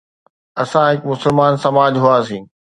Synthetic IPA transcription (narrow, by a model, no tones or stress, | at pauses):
ɐsãɦɪkmʊsɪlmaːnsɐmaːd͡ʑɦʊas̬ĩː